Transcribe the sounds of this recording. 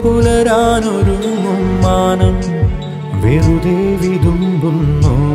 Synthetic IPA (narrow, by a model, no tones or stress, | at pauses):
pulɐɾaːnoɾumumːaːnɐm | ʋeɾud̪eːʋid̪ʱumbɐmːo